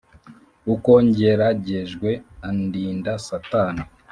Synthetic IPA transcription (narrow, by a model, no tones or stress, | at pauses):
ukoɲɟeɾaɟeʒɡwe̞andiːndasatana